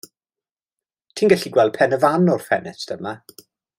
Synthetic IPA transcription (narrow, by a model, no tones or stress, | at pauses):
tʰiːnɡɛɬiɡwɛlˠd̥̚pʰɛnəvanɔrfɛnɛsdəma